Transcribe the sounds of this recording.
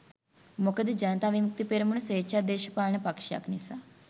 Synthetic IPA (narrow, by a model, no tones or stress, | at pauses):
mokɐd̪id͡ʒɐnɐt̪aːʋimuk̚t̪ipeɾɐmunɐsʋeːt͡ʃaːd̪eːʃɐpaːɭɳɐpɐkʂja̰ːknisaː